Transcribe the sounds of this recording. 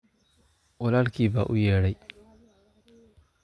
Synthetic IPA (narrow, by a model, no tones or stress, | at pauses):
wɔlalkiːbaʔʊjeːɽaj